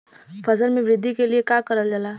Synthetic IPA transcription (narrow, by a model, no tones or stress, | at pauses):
pʰəzəɾmebɾɪd̪ʱːikeliekakəɾəld͡ʒala